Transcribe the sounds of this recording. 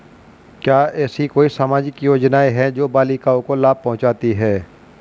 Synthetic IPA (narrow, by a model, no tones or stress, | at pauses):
kjaːɛːsikoːisaːmaːd͡ʒɪkjoːd͡ʒnaːeɦɛd͡ʒoːbaːlikaːõkolaːb̚pɐ̃ɦʊ̃t͡ʃaːt̪iɦɛː